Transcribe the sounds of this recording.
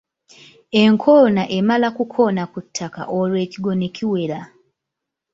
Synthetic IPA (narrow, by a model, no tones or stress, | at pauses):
eŋkʰonaʔemalakukʰo̞nakutʰːaka̰ʔolweːkiɡo̞nekiwe̞la